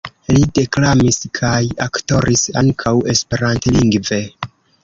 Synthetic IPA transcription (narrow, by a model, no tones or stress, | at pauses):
lide̞klamiskʰajakto̞ɾʔisa̰ŋkʰawe̞spe̞ɾantliŋɡve̞